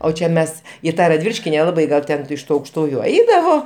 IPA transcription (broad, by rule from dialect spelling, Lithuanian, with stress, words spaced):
oː ˈt͡ʃʲɛ ˈmʲɛs ɪ ˈtɑː rɐdʲˈʋʲiːlʲɪʃʲkʲɪ nʲɛˈlˠɑːbɐɪ ˈɡɐlˠ ˈtʲɛn ɪʃ ˈtuː ɐʊkʃˈtuːjʊ ˈɐɪdɐʋoː